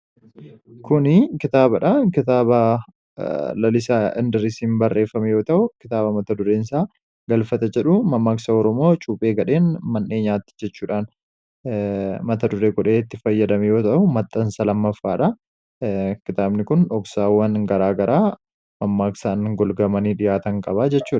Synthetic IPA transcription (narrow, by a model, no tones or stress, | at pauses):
kʊnɪkɪt̪aːbɐᶑɐkɪt̪aːbɐ | lɐlɪsaɪnd̪ɪɾɪsiːmbɐrːe̞ːfɐmɛjo̞ːt̪ɐʔʊkɪ̥t̪aːbɐmɐt̪ɐd̪ʊɾeːɪnsaː | ɡɐlfɐt̪ɐd͡ʒɛᶑʊmɐmːaːksɐɔɾɔmo̞ːt͡ʃʼuːpʼe̞ːɡɐᶑe̞ːnmɐnːʔe̞ːɲaːt̪ːɪ̥d͡ʒɛt͡ʃːuːᶑaːn | mɐt̪ɐd̪ʊɾeːɡɔᶑeːɪt̪ːɪfɐjːɐd̪ɐmɛjo̞ːt̪ɐʔʊmɐt̪ʼːɐnsɐlɐmːɐfːaːᶑɐ | kɪt̪aːbnɪkʊnᶑɔksaːwːɐnɡɐɾaːɡɐɾaː | mɐmːaːksaːnɡɔlɡɐmɐniːᶑɪjaːt̪ɐŋkʼɐbaːd͡ʒɛt͡ʃːuːᶑɐ